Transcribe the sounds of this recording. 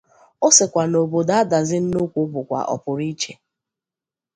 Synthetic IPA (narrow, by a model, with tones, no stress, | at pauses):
o˦sɪ˨kʷa˨no˨bo˨da˦a˦da˨zɪ˦n̩˦no˦kʷu˦bʊ˨kʷa̰˨ʔɔ̰˨pʊ˨ɾi˦t͡ʃe˨